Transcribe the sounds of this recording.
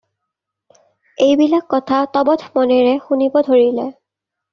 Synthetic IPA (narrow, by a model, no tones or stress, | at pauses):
ejbilakːɔtʰatɔbɔtʰmɔnɛɹɛxunibɔdʱoɹilɛ